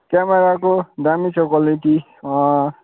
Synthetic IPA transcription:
kameɾakoɖamisokɔliʈi

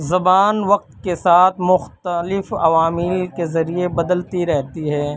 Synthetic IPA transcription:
zɐbaːnʋɐq̚t̪kesaːt̪ʰmʊxt̪əlɪfɐʋaːmɪlkezɐɾiebɐd̪əlt̪iɾɛɦt̪iɦɛː

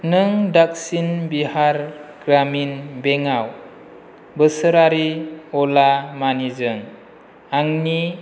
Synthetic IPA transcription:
nɯŋdak̚sinbihaɾɡ̥ɾaminbeŋaw | bəsəɾaɾiɔlamanizɯŋ | aŋni

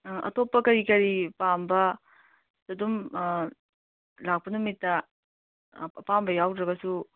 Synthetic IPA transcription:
ʔɐ̰topːɐkɐɾikɐɾipambɐ | sɐdum | lak̚pɐnumitːɐ | ɐpambɐjawdɾɐɡɐsu

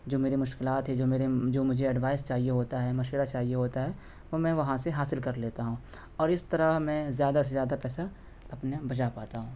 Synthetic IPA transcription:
d͡ʒoːmeːɾemʊʃkɪlaːt̪ɦɛd͡ʒoːmeːɾed͡ʒoːmʊd͡ʒʱeɐɖʋaːɪst͡ʃaːɦijeɦoːt̪aɦɛmɐʃeɾat͡ʃaːɦijeɦoːt̪aɦɛː | ʋomɛ̃ːʋɐɦãseɦaːsɪlkɐɾleːt̪aɦũː | ɔːɾɪst̪ɐɾəɦmɛ̃ːzjaːd̪asezjaːd̪apɛːsa | ɐpnabɐd͡ʒapaːt̪aɦũː

